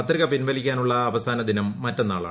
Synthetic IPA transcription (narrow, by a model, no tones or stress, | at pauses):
ɐt̪riɣɐpinʋɐlikʲːaːnuɭːɐːʋɐsaːnɐd̪inɐmːɐtːenːaːɭa̰ː